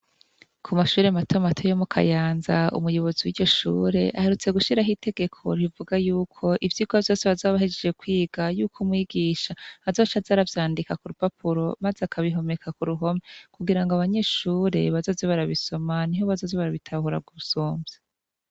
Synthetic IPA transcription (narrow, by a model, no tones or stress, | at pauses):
kʰumaʃuːɾe̞matʰomatʰojo̞mukʰa̰jaːnzaṵmujo̞βo̞ziwiɟo̞ʃṵːɾe̞ʔahe̞ɾut͡se̞ɡuʃiɾaɦite̞ɡe̞kʰo̞̰ɾivuɡajuːkʰo̞ʔivjiːɡavjo̞ːseβazaβahed͡ʒe̞d͡ʒe̞kwiːɡ̥ajuːkʰumŋiːɡiːʃaazoːt͡ʃazaɾavjaːndikakuɾupapʰuɾo̞mazeakʰaβiɦo̞me̞kʰakuɾuɦo̞mekuɡiɾaŋɡoaβaɲe̞ʃuːɾe̞̰βazo̞ːzeβaɾaβiso̞maniɦoβazoːzeβaɾaβitʰahuɾa̰b̚ɡuβusuːmbje̥